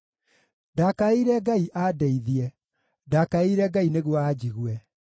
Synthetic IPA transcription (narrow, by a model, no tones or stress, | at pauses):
dakaeiɾɛɡaiʔaːdɛiðiɛ | dakaeiɾɛɡaineɣwɔad͡ʑiɣwɛ